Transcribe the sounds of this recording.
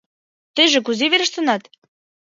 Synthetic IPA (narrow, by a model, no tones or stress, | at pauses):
t̪ə̆jʒĕk̬uzeβeɾə̆ʃt̪ɤ̆nɑt̪